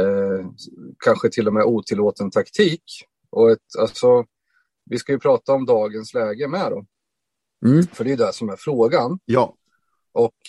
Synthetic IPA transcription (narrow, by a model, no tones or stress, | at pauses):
kʰanɧət̪ʰɪlːɔmɛʔuːt̪ʰɪlːoːt̪ənt̪ʰakt̪ʰiːk | ʔɔɛt̪alsɔ | vɪskajɵpʰɾɑːt̪aɔmd̪ɑːɡənslɛːɡəmɛd̪ɔ | fœɖɛjɵd̪æʂɔmæɾfɾoːɡanj | ʔɔk